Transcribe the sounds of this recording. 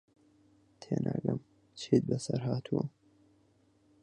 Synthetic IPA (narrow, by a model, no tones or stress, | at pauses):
t̪ʰeːnʔaːɡɐm | t͡ʃʰit̪̚bɐsɐɾɦaːt̪ʰuɐ